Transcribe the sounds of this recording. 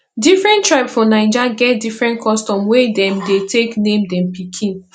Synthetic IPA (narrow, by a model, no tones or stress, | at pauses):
difɹɛ̃ntɹaɪpsfɔnãɪd͡ʒaɡɛt̚difɹɛ̃ntkʰɔstɔ̃mwedɛ̃mdetʰeknẽmdɛ̃mpikʰĩn